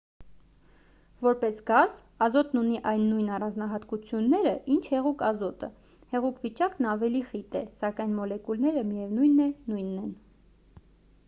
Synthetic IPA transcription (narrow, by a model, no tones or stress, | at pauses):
vɔɾpɛsɡɑz | ɑzɔt̪nuniʔɑjnːujnɑrɑnd͡znɑɦɑt̪kut͡sʰjunːɛɾəʔint͡ʃʰhɛʁukɑzɔt̪ə̰ | hɛʁukvit͡ʃɑknɑvɛliχit̪ɛsɑkɑjnmɔlɛkulnɛɾəmijɛvnujnːɛnujnːɛn